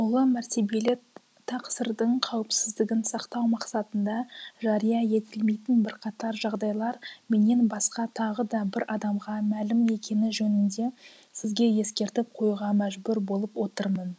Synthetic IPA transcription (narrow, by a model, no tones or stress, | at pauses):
wʊlˠəmæɾt̪e̞be̞lɪ | t̪ʰɑqsəɾd̪əɴqʰɑwəpsɪzd̪ɪɡʲɪnsɑqt̪ɑwmɑqsɑt̪ənd̪ɑʒɑɾijɑje̞t̪ɪlme̞jt̪ɪnbɪɾqʰɑt̪ɑɾʒɑʁd̪ɑjlˠɑɾme̞ne̞nbɑsqɑt̪ʰɑʁəd̪ɑbɪɾʔɑd̪ɑmʁɑmælɪme̞kʲe̞nɪʒɵnɪnd̪e̞ | sɪzɡʲe̞je̞skʲe̞ɾt̪ɪp̚qʰo̞juʁɑmæʒbʊɾbo̞lˠəpwo̞t̪əɾmən